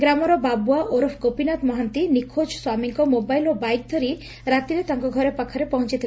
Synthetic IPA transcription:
ɡɾamɔɾɔbabuaʔoɾɔpʰkopinat̪mɔɦant̪inikʰod͡ʒswamiŋkɔmobajlɔbajk̚d̪ʱɔɾi | ɾat̪iɾet̪aŋkɔɡʱɔɾepakʰaɾepɔɦɔ̃nt͡ʃit̪ʰi

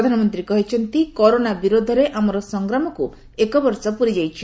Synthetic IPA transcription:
d̪ʱanɔmɔnt̪ɾikɔɦit͡ʃʰɔnt̪ikɔɾonabiɾod̪ʱɔɾeʔamɔɾɔsɔŋɡɾɔmɔku | ekɔbɔɾsɔpuɾid͡ʒajt͡ʃʰi̥

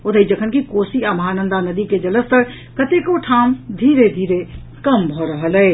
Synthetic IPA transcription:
ot̪əid͡ʒəkʰənkikosiəmɦanənd̪anəd̪iked͡ʒələst̪əɾ | kət̪ekoʈʰamd̪ʱiɾed̪ʱiɾe | kəmbʱɔɾəɦəlɛː

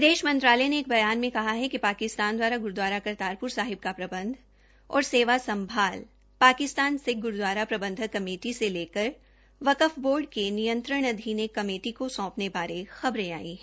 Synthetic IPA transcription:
pd̪eːʃmɐ̃nt̪ɾaːlɛneːk̚bɐjaːnmẽkɐɦaɦɛkipaːkɪst̪aːnd̪waːɾaɡʊɾd̪waːɾakɐɾt̪aːɾpʊɾsaːɦɪb̚kapɾɐbə̃nd̪ʱ | ɔ̰ːɾseːʋasɐ̃mbʱaːl | paːkɪst̪aːnseɡʊɾd̪waːɾapɾɐbə̃nd̪ʱəkːɐmeːʈiseleːkəɾ | ʋɐkəfboːɾɖkenijə̃nt̪ɾəɽ̃ɐd̪ʱiːnekːɐmeːʈikosɔ̃ːpnebaːɾexɐbɾea̰ːḭɦɛː

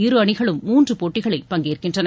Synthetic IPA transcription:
ɪɾɯɐɳɪɣɐɭɯmːuːndrɯpoːʈːɪɣɐɭɐɪpːɐŋɡeːrkɪndrɐnɐ

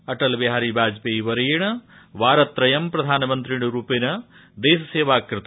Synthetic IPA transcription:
ɐʈɐlbeɦaːɾibʱaːd͡ʒpeːiʋɐɾɐjɐɳɐ | ʋaːɾɐt̪ɾɐjɐmpɾɐd̪ʱaːnɐmɐnt̪ɾiɳuɾuːpinɐ | d̪eːsɐseːʋaːkɾɨt̪

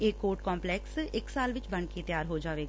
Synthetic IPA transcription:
eːkoːɾʈkɔ̃ːmplɛːksɪksaːlʋɪt͡ʃbəɳ̃ket̪jaːɾɦoːd͡ʒaːʋeːɡ

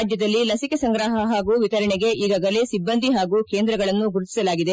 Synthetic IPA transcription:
d͡ʒjɐd̪ɐlːilɐsikesɐŋɡɾaːɦɐɦaːɡuːʋit̪ɐɾɐɳeɡe̞ʔiːɡaːɡɐlesibːɐnd̪ʱiɦaːɡuːke̞ːnd̪ɾɐɡɐɭɐnːuɡuɾut̪i̥sɐlaːɡid̪e

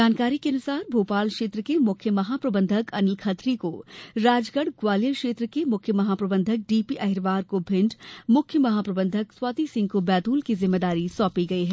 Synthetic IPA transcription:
d͡ʒaːnkaːɾikeɐnʊsaːɾbʱoːpaːlkʃeːt̪ɾəkemʊkʰjəmɐɦaːpɾɐbə̃nd̪ʱəkɐnɪlkʰɐt̪ɾikoɾaːd͡ʒɡəɽɡwaːlijəkʃeːt̪ɾəkemʊkʰjəmɐɦaːpɾɐbə̃nd̪ʱək̚ɖiːpiʔɐɦɪɾʋaːɾkobʱɪ̃ɳɖmʊkʰjəmɐɦaːpɾɐbə̃nd̪ʱəkswaːt̪isɪ̃ŋɡkobɛːt̪uːlkizɪmːeːd̪aːɾisɔːpiɡɐiɦɛː

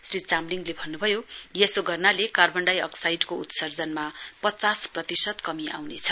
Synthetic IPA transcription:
srit͡samliŋlebʱʌnːubʱʌjojesoɡʌrnalekarbʌɳɖajʌ̰ksajɖkout̪sʌrd͡zʌnmapʌt͡sasprʌt̪isʌt̪kʌmiʔa̰wnet͡sʰʌ

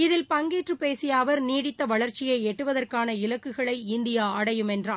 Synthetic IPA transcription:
ɪðɪlpɐŋɡeːʈrɯpeːsɪjaːʋɐɾniːɽɪt̪ːɐʋɐɭɐɾt͡ʃɪjɐɪɛʈːɯʋɐðɐrkaːnɐɪlɐkːɯɣɐɭɐɪɪnd̪ɪjaːɐɽɐjɯmɛndraː

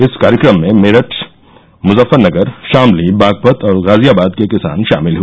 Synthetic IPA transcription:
ɪskaːɾɪkɾəmːẽmeːɾəʈʰ | mʊzəfːəɾnɐɡəɾʃaːmlibaːɡ̚pət̪ʰɔːɾɣaːzijaːbaːd̪̚kekɪsa̰ːnʃa̰ːmɪlɦu

